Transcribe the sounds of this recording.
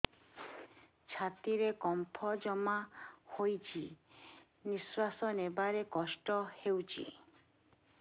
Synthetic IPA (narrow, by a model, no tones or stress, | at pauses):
t͡ʃʰat̪iɾekɔmpʰɔd͡ʒɔmahojt͡ʃʰi | niswasɔnebaɾekɔsʈɔhewt͡ʃʰḭ